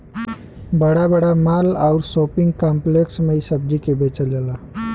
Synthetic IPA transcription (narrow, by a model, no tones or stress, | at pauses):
bəɽabəɽamalawɾsopiŋɡkampleksmeisəb̚d͡ʑikebet͡ʃəlela